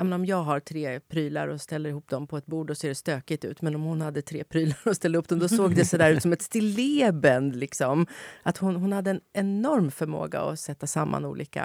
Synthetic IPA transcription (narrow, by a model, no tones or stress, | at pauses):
jɑmeːnaɔmjɑːɡɦaɾt̪ʰɾeːpʰɾyːla̰ɾɔst̪ɛlːəɾɪhuːp̚ːd̪ɔmpʰɔɛt̪̚buːɖɖɔseːɖɛst̪øːkɪt̪ʉ̟ːt̪mɛnɔmhʊnhad̪ːət̪ʰɾḛːpʰɾyːlaɾɔst̪ɛlːəɾhupd̪ɔmd̪ɔsoːɡd̪ɛsɔd̪æːɾʉt̪sɔmɛt̪st̪ɪlːɪːbɛnd̪lɪksɔmat̪hʊnɦʊnhad̪ːəɛnɛnɔɾmfœɾmo̰ːɡa̰ɔ̰sɛt̪ːasamːa̰nṵːlʔḭːka̰